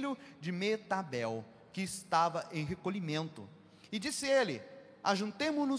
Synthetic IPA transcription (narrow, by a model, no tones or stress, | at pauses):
lʊd͡ʒɪmet̪abɛw | kɪːst̪avɐʔẽj̃ɦekoʎimẽnt̪ʊ̰ | ɪd͡ʒisɪelɪ | a̰ʒũnt̪ẽmʊnʊ